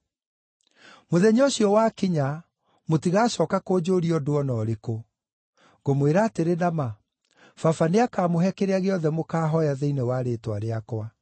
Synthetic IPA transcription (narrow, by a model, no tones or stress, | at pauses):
moðɛɲoɕjɔwakiɲa | motiɣaːɕɔːkakod͡ʑoɾiɔdoɔnɔːɾeko | ɣomweɾaːteɾenama | fafaneakaːmoɦɛkeɾeaɣeɔðɛmokaːɦɔjaðeinewaɾeːtwaɾeakwa